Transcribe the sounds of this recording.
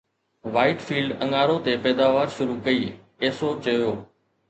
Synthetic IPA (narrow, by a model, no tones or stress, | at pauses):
ʋaːɪʈfiːlɖɐ̃ŋaːɾot̪epɛːd̪aːʋaːɾʃʊɾukɐiː | eːsot͡ɕɐjoː